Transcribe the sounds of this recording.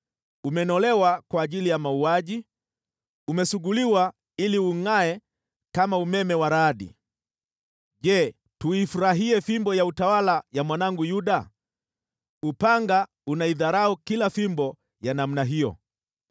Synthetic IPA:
umɛnɔlɛwakwaːʄilijamauaʄi | umɛsuɡuliwa | iliuŋaɛ | kamaumɛmɛwaɾaɗḭ | ʄɛ | tuifuɾaɦiɛfimbɔjautawalajamwanaŋɡujuɗa | upaŋɡa | unaiðaɾaukilafimbɔ | janam̩naɦijɔ̰

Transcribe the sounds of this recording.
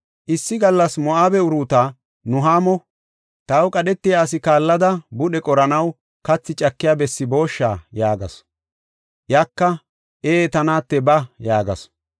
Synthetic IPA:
ʔɪsːɪɡɐlːɐsmɔʔaːbɛʊɾuːt̪aː | nʊɦaːmɔ | t̪ɐwkʼɐɗɛt̪ːɪjaːs̬ɪkaːlːɐd̪ɐbʊɗɛkʼɔɾɐnɐw | kɐt͡sːɪt͡ʃʼɐkːɪjaːbɛsːɪbo̞ːʃːaːjaːɡɐ̰s | jakːɐ | ʔeːt̪ɐnaːt̪ːɛbɐjaːɡɐ̰s

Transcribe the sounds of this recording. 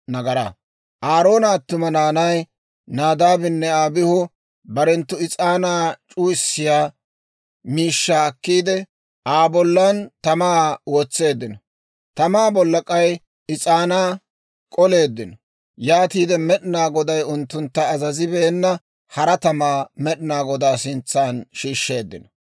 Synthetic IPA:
nɐɡɐɾɐ̰ | ʔaːɾo̞ːnɐːt̪ːʊmɐnaːnɐj | naːd̪aːbɪnːɛaːbɪhʊ | bɐɾɛnt̪ːʊɪt͡sʼaːnaːt͡ʃʼuːɪsːɪjaː | miːʃːaːkːiːd̪ɛ | ʔaːbɔlːɐnt̪ɐmaːwoːt͡sːe̞ːd̪ːɪnɔ | t̪ɐmaːbɔlːɐkʼɐj | ɪt͡sʼaːnaː | kʼɔle̞ːd̪ːɪnɔ | jaːt̪iːd̪ɛmɛɗɪnaːɡɔd̪ɐjʊnt̪ːʊnt̪ːɐːzɐzɪbeːnːɐ | hɐɾɐt̪ɐmaːmɛɗɪnaːɡɔd̪aːsɪnt͡sːaːnʃiːʃːe̞ːd̪ːɪnɔ

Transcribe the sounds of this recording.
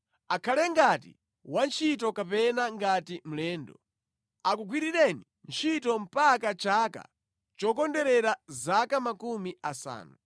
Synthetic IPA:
akʰalɛŋɡatḭ | want͡ʃʰitɔkapɛnaŋɡatim̩lɛːndɔ | akuɡwiɾiɾɛni | nt͡ʃʰitɔm̩pakat͡ʃaːka̰ | t͡ʃɔkɔndɛɾɛɾazakamakumiasa̰ːnu

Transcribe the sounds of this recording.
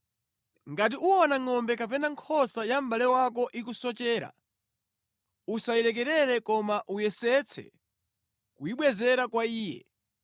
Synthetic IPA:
ŋɡat̬iʔuɔnaŋɔmbɛkapɛnaŋkʰɔsajam̩ɓalɛwak̬ɔʔikusɔt͡ʃɛːɾa̰ | usaiɾɛk̬ɛɾɛɾɛkɔmaʔujɛsɛt͡sʰɛ̰ | kuiɓwɛzɛɾakwaiːjɛ̰

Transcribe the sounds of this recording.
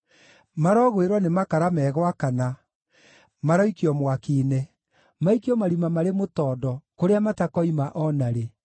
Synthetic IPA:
maɾɔɣweɾwanemakaɾamɛːɣwakana | maɾɔikiɔmwakiːnɛ | maikiɔmaɾimamaɾemotɔːdɔkoɾeamatakɔimaʔɔnaɾe

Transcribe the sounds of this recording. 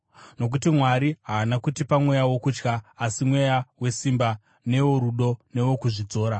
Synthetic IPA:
no̞k̬utimwaɾiɦaːnakutipamwejawo̞kuːt͡ʃkaːsimwe̞jawe̞simba | ne̞wo̞ɾuɗo̞ne̞wo̞kuʐid͡zo̞ːɾa

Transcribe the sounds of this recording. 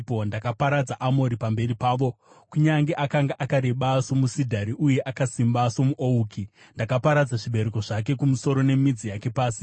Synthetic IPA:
pondakapaɾad͡zaʔamo̞ɾipambe̞ripaːʋo̞ | kuɲaŋɡeʔakaŋɡaʔakaɾe̞ɓaso̞musidʱaɾiʔuje̞ʔakasimbaso̞muʔouːkʰi | ndakapaɾad͡zaʐiɓe̞ɾeko̞ʐake̞kumuso̞ɾo̞ne̞mid͡zijake̞paːsi

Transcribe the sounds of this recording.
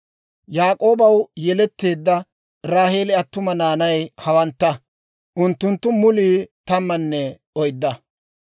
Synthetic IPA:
jaːkʼo̞ːbɐwjɛlɛt̪ːe̞ːd̪ːɐ | ɾaːheːlɪɐt̪ːʊmɐnaːnɐjhɐwɐnt̪ːɐ | ʔʊnt̪ːʊnt̪ːʊmʊliːt̪ɐmːɐnːɛ | ɔjd̪ːɐ

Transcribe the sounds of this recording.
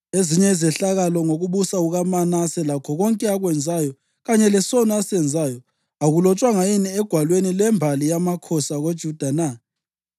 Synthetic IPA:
eziɲɛizɛɬaɣalɔŋoɣuβusauɣamanasɛlakʰɔɣɔŋkʼɛaɣwɛnd͡zʱajɔ | ɣaɲɛlɛsɔnɔasɛnd͡zʱaːjɔ | aɣulɔt͡ʃʼwaŋajiniɛɡ̥ʱwalwenilɛmbʱalijamakʰɔsaɣod̥ʒ̥ʱud̥ʱana

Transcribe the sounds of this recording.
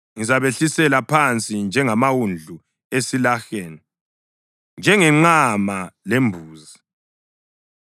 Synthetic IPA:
ŋizaβeɬisɛlapʰant͡sʼind͡ʒʱɛŋamawund͡ɮʱu | esilaxɛːna | nd͡ʒʱɛŋɛŋ͡ǃamalembʱuːzi

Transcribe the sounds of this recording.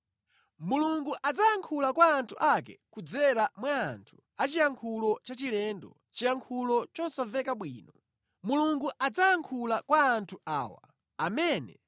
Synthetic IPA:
muluŋɡuʔad͡zajaŋkʰulakwaːntʰuʔakɛkud͡zɛɾamwaːntʰu̥ | at͡ʃijaŋkʰulɔt͡ʃat͡ʃilɛndɔ̰ | t͡ʃijaŋkʰulɔt͡ʃɔsavɛkaɓwiːnɔ | muluŋɡuʔad͡zajaŋkʰulakwaːntʰua̰ːwa̰ | amɛːnɛ

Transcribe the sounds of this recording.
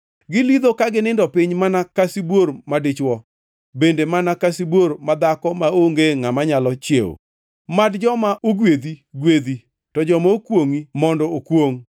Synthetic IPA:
ɡɪlid̪okaɡɪnɪndɔpɪɲmanakasibwoɾmadɪt͡ʃwɔ | bendemanakasibwormad̪akɔmaoŋɡeŋamaɲalɔt͡ʃjeo̰ | madd͡ʒɔmaʔoɡwed̪iɡwed̪i | tɔd͡ʒɔmookwoŋimɔndɔokwoŋ

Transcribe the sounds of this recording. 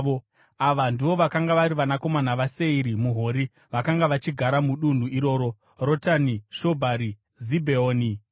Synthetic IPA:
o | aʋandiʋo̞ʋakaŋɡaʋaɾiʋanako̞manaʋase̞iɾimuɦo̞ɾi | ʋakaŋɡaʋat͡ʃiɡʱaɾamuɗun̤uʔiɾo̞ːɾo̞ | ro̞taniʃo̞bʱaɾi | zibʱeoːni

